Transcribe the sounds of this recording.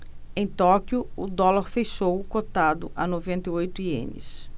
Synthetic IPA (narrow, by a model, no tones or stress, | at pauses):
ẽj̃t̪ɔkjʊʊd̪ɔlaɾfeʃowkot̪ad̪ʊʔanovẽnt̪ɐjojt̪ʊiḛ̃nɪ̰s